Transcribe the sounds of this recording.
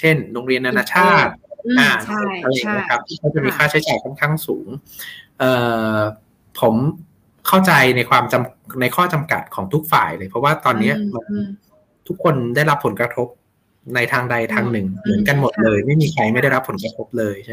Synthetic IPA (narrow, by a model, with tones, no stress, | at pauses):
t͡ɕʰe˥˩nɾo˧ŋɾi˧ənʔa˧naː˧t͡ɕʰaː˥˩t̪̚ʔa˨˩ʔa˧ɾa˧˨˩a˦˥kʰa˦˥p̚t̪ʰiː˥˩kʰa˧˩t͡ɕa˨˩ʔmiː˧kʰaː˥˩t͡ɕʰi˦˥jt͡ɕaː˨˩jkʰɔ˥˩nkʰaː˥˩ŋsuː˩˦ŋ | ʔɤː˨˩ | pʰo˩˦m | kʰa˥˩wt͡ɕa˧jna˧jkʰwaː˧mt͡ɕa˧mna˧jkʰɔː˥˩t͡ɕa˧mka̰˨˩t̪̚kʰɔː˩˦ŋt̪ʰu˦˥k̚fa̰ː˨˩jlɤː˧jpʰɾɔ˦˥waː˥˩t̪ɔː˧nːi˦˥ɐma˧n | t̪ʰu˦˥k̚ʰːo˧nda˥˩jɾa˦˥pʰːo˩˦nkɾa˧t̪ʰo˦˥p̚ | na˧jt̪ʰaː˧ŋda˧jt̪ʰaː˧ŋnɯ˨˩ŋmɯ˩˦ənka˧nmo˨˩t̪̚lɤː˧jma˥˩jmiː˧kʰɾa˧jma˥˩jda˥˩jɾa˦˥pʰːo˩˦nkɾa˧t̪ʰo˦˥p̚lɤː˧j